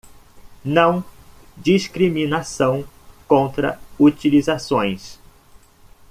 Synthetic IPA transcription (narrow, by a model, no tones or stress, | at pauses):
nɐ̃w̃ | d͡ʒiskɾimĩnasɐ̃w̃ | kõnt̪ɾɐ̰ut͡ʃilizasõj̃s